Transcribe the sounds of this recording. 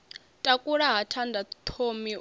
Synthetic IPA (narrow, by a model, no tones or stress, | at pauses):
tʼakʼuɺaɦatʰandʱat̪ʰomi